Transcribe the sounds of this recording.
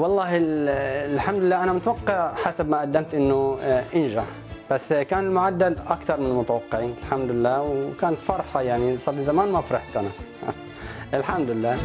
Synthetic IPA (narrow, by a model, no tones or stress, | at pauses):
wɑlˤːɑːhɪ | lħamd̪lɪlːaːʔanamʊt̪wɑqːɪʕħasabmaʔad̪ːamt̪ʔɪnːʊʔɪnʒaʕ | b̥asːkaːnɪlmʊʕad̪ːalʔakt̪ɑɾˤmɪnɪlmʊt̪awɑqːɪʕiːnɪlħamd̪ɪlːaːwkaːnt̪fɑɾˤħɑjaʕnisˤɑlːizamaːnmafɾˤɑħkʔana | ʔɪlħamd̪ɪlːaː